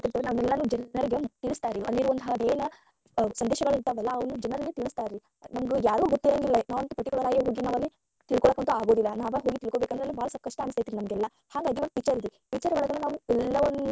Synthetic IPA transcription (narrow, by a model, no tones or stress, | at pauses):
t̪iɾt̪ɐʋɾnɐʋɐnɛlːɐnud͡ʒɛnnɐɾiɡet̪iɭist̪aːɾiɐlːiɾuʋɐnt̪ʰad̪eːn | sɐnd̪ɛːʃɐɡɐɭiɾt̪ɐʋɛlːɐɐʋɐnːud͡ʒɛnɐɾɐlːit̪iɭist̪aːɾi | nɐmɐɡejaːɾɡuːɡot̪ːiɾɐŋɡilːɐnaːʋɐnt̪ɐpɐʈːikuɭɐɾaːjiɦo̞ːɡinaːʋɐlːi | t̪iɭkoɭɐkɐnt̪ɐaːɡo̞ːd̪ilːɐnaːʋɐɦoːɡit̪iɭkoːbekɐnd̪ɾeɐlːibaːɭɐsɐb̚kɐʂʈɐːnɐst̪ajt̪iːʋinɐmɐɡɛlːɐ | haːɡaːɡiʋɐnd̪pit͡ʃːɐɾid̪ifit͡ʃːɐɾʋɔɭɐɡɐnenaːʋuɛlːɐʋɐn